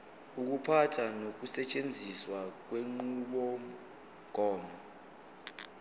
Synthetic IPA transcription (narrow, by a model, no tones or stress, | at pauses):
uk̬upʰatʰanok̬usɛt͡ʃʼend͡zʱiswak̬weŋ͡ǃuɓɔ | ɡ̥ʱɔːma